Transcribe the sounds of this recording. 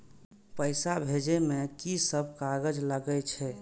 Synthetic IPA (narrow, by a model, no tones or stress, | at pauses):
pəɪsabʱed͡ʒemekisəb̚ʱkaɡəd͡ʒləɡət͡ʃʰɛ